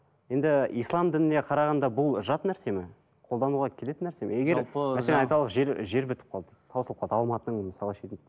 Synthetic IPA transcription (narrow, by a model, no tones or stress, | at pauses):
je̞nd̪ɪijslˠɑmd̪ɪnɪneqʰɑɾɑʁɑnd̪ɑbʊlˠʒɑt̪næɾse̞mɪ | qʰo̞lˠd̪ɑnuʁɑkʲʰe̞leɪnːæɾse̞meje̞ɡʲe̞ɾˠmæseenɑjt̪ɑlˠəqʒeɾʒe̞ɾbʏt̪ɪ̥p̚qʰɑlˠd̪ət̪ʰɑwsəlˠəqɑlˠd̪əɑlˠmɑt̪ənəɴməsɑlˠəʃejt̪ɪ